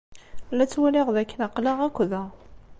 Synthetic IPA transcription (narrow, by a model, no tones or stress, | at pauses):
lːæt͡sːwælɪʁðækːənɑqlaʁækʷːðæ